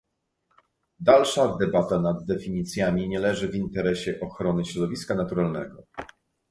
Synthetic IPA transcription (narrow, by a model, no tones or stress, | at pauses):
d̪alʂad̪ɛbat̪anad̪ːɛfʲiɲit̪sʲjamʲiɲɛlɛʐɘvint̪ɛɾɛɕɛʔɔxɾɔnɘɕɾɔd̪ɔvʲiskanat̪uɾalnɛɡɔ